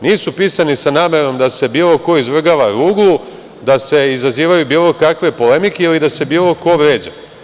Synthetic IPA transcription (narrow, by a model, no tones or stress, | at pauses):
niːsupiːsanisanaːme̞ɾo̞md̪ase̞biːlˠo̞ko̞izʋr̩ɡaʋaɾuːɡlˠu | d̪ase̞izaziːʋajubiːlˠo̞kakʋe̞po̞le̞mikeilid̪ase̞biːlˠo̞ko̞ʋɾeːd͡ʑa